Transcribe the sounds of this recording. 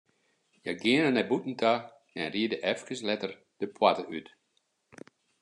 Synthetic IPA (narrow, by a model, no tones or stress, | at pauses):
jaɡɪənənɛbutn̩tʰa | ɛnriədəʔɛfkəslɛtər | d̥əpʰwatəyt